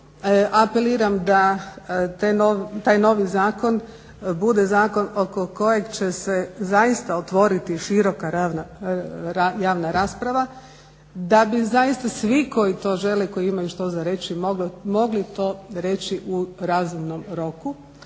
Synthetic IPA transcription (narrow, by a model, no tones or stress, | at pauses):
ʔapeliːɾamd̪a | t̪enot̪aːjno̞ʋizaːko̞n | bud̪ezaːko̞no̞koko̞je̞ɡt͡ʃesezajist̪aot̪ʋo̞ɾit̪iʃiɾo̞kaɾana | ajaːʋnaɾaːspɾaʋa | d̪abizajist̪asʋiko̞jit̪o̞ːʒe̞leko̞jiimajuʃt̪o̞zaɾe̞t͡ɕimoɡmo̞ɡlit̪o̞ɾe̞t͡ɕiʔuɾaːzumnomɾo̞ku